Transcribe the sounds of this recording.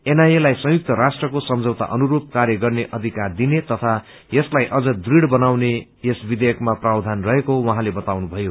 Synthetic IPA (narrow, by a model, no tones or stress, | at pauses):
enajelajsʌ̃juk̚t̪ʌɾasʈrʌkosʌmd͡zʌwt̪a̰ʔʌnuɾub̚karjʌɡʌrneʔʌd̪ʱikard̪inet̪ʌt̪ʰa | jʌslajʔʌd͡zʌd̪riɽbʌnawne | jesbid̪ejʌkmaprawd̪ʱanrʌɦekoɦwʌɦãlebʌt̪awnubʱʌjo